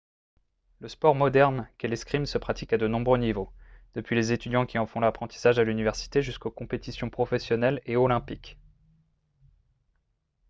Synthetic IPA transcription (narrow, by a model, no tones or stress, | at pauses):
ləspɔʁmɔd̪ɛʁnkeleskχimsəpχat̪ikad̪ənɔ̃bʁønivod̪̥əpɥilezet̪yd̪jɑ̃kʲiɑ̃fɔ̃lapχɑ̃t̪i̥saʒalynivɛʁsi̥t̪eʒyskokɔ̃pet̪isjɔ̃pχɔfɛsjɔnɛleɔlɛ̃pik